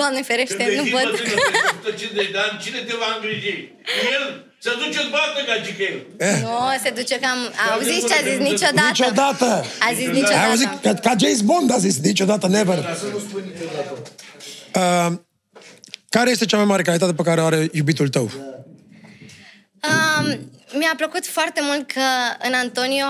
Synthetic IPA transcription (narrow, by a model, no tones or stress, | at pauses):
d̪amnefeɾeʃt̪enupott̪ɐt͡ʃied̪ant͡ʃinet̪evanɡɾid͡ʒ̪ij | el | sɐd̪ut͡ʃet̪bat̪̚nəkat͡ʃikɐil | enosed̪ut͡ʃekamauzit͡ʃazisnit͡ʃodnaitt͡ʃod̪at̪əazisnit͡ʃoajauzit̪kkad͡ʒejzbond̪azisnit͡ʃo̞d̪at̪ənevərut͡ʃod̪a | ə | kaɾejest̪e̞t͡ʃamajmaɾe̞kalit̪̬at̪e̞pekaɾeoaɾe̞jubit̪ult̪əw | ə | miapləkut̪foart̪e̞mult̪̚kʰəɨnant̪o̞nio